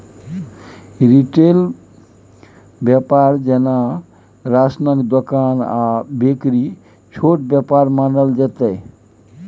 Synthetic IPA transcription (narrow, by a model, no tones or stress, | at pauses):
ɾiʈel | bjəpaɾd͡ʒəna | ɾasnəkd̪okanabekɾi | t͡ʃʰoʈ̚bjəpaɾmanəld͡ʒət̪əj